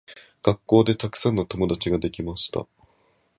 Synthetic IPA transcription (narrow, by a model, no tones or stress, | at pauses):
ɡ̥akːo̞ːd̪e̞t̪akɯ̥sãnːot̪o̞mo̞d̪at͡ɕiɡad̪e̞kʲimaɕi̥t̪a̰